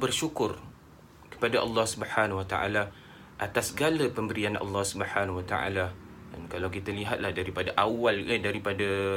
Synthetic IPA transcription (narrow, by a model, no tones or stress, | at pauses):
bərʃukʊr | kə̥padaʔɑ̰lːɑhsubħanawat̪aʔa̰la | ʔat̪asɡaləpəmbəɾianʔɑ̰lːɑhsubəħanwat̪a̰ʔa̰la | dankalawkit̪əliɦat̪̚lahdaɾipadaʔawalədaɾipadə